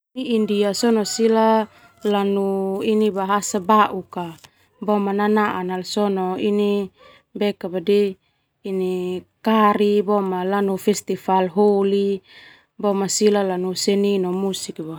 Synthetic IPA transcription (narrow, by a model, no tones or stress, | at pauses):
iindiasɔnɔsila | lanuinibaɦasabaʔuka | bɔmananaʔanalsɔnɔini | bɛkabadiː | nikaɾibɔmalanufɛst̪ifalɦoli | bɔmasilalanusɛninɔmusikba